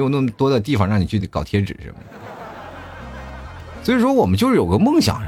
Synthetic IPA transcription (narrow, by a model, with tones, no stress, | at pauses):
jo˧˩ʊnə˥˩mə˩t̪wɔ˥d̪ə˧t̪̬i˥˩fɑ˨˧ŋɻɑ˥˩ŋni˨˩t͡ɕʰy˥˩kɑ˨˩ʊt̪ʰjɛ˥ʈ͡ʂɻ̩˨˩ʂə̰˧˥mə̰˩ | swɔ˧˥i˨˩ʂwɔ˥wɔ˨˩mə˦nt͡ɕjo˥˧ʊʂɻ̩˥˩jo˨˩ɡə˧˥mɤ˥˩ŋɕjɑ̰˨˩˦ŋ